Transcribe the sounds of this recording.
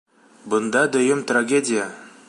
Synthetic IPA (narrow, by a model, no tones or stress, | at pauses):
bənd̪ɑd̪ɵjɪmt̪raɡʲedʲɪja